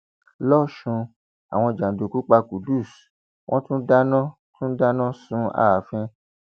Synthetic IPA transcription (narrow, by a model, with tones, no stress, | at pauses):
lɔ˦˨ʃũ˧ | a˨w̃ɔ̃˧˨d͡ʒã˨do˨ku˨˦k͡pa˧ku˨du˦˨s | wʔɔ̃˦tũ˦da˦nã˦ | tʰũ˦da˦nã˦sũ˨˦a̰˦˨fĩ˧